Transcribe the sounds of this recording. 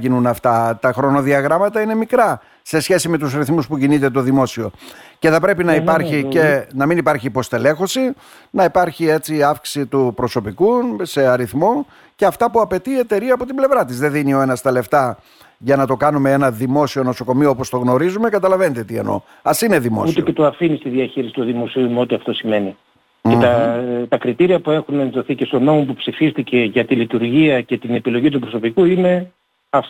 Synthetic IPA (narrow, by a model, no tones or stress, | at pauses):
ʝinunɐft̪ɐt̪ɐxɾo̞no̞ðiɐɣɾɐmɐt̪ɐine̞mikɾɐ | se̞sçe̞sime̞t̪usɾiθmuspucinit̪e̞t̪o̞ðimo̞sio̞ce̞θɐpɾe̞pinɐipɐɾçie̞nɐminipɐɾçiːpo̞st̪e̞le̞xo̞si | nɐipɐɾçie̞t͡siɐfksi̥sit̪upɾo̞so̞pikuse̞ɐɾiθmo̞ | ce̞ɐft̪ɐpuɐpe̞t̪iːe̞t̪e̞ɾiɐːpo̞t̪ible̞vɾɐt̪izðe̞ðinio̞e̞nɐst̪ɐle̞ft̪ɐ | ʝɐnɐt̪o̞kɐnume̞enɐðimo̞sio̞no̞so̞ko̞mioopost̪o̞ɣno̞ɾizume̞kɐt̪ɐlɐve̞net̪et̪iḛno̞̰ | ɐsine̞ðimosutieet̪oɐfinist̪iðiɐçiɾisi̥t̪oðimo̞siumo̞t̪iɐft̪o̞sime̞ni | et̪ɐt̪ɐkɾit̪iɾiɐpue̞xunenðo̞θicest̪o̞no̞mo̞pupsifist̪ice̞ʝɐt̪ilit̪uɾʝiɐce̞t̪ine̞pilo̞ʝit̪upɾo̞so̞pikuine̞ | ɐf